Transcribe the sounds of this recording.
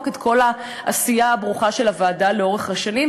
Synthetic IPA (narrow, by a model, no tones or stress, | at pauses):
ketkʰo̞la | ʔasijaːbʁuχaʃe̞lavaːdale̞o̞ʁeχhaʃanim